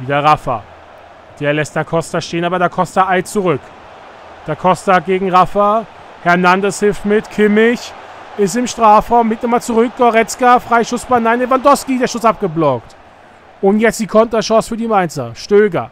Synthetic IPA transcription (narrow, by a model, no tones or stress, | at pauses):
viːdɐʁafɐ̰ | d̥eːɐlɛstd̥eːɐkʰɔstaʃteːənaːbɐɾaːɐkʰɔstaaɪt͡suʁʏk | d̥eːɐkʰɔstaɡeːɡŋ̩ʁafɐ | hɛɐnandəshɪlftmɪtkʰɪmɪç | ʔɪstɪmʃtʁ̥aːfʁaʊmːɪtnɪmaːt͡suʁʏk̚ɡ̥ɔʁɛt͡skafʁ̥aɪʃʊsb̥anaɪnlevandɔfskideːɐʃʊsʔap̚ɡ̥əblɔkt | ʔʊntjɛt͡std̥iːkʰɔntɐʃɔ̃ːsfyːɐdiːmaɪnt͡sɐʃtøːɡɐ